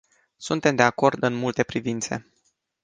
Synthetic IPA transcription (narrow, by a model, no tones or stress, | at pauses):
sunt̪e̞md̪e̞ako̞rd̪ɨnmult̪e̞pɾivint̪se̞̰